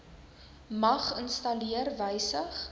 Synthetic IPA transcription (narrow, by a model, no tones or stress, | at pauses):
mɐχənstɐliərvəjsəχ